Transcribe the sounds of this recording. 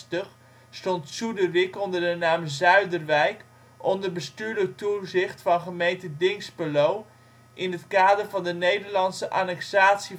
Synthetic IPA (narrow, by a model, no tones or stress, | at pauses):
təχ | stɔntsudərɪkɔndərdənaːmzœɥdərʋɛjk | ɔndərbəstyːɹlək̚tuzɪχtfɑnχəmejntədɪŋspəlow | ʔɪnɦətkaːdərvɑndənejdəɹlɑntsəʔaːnɛksaːtsi